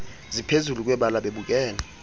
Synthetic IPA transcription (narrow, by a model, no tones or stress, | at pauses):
zipʰezuluk̬ʼwɛɓalaɓeɓuk̬ʼɛːnɛ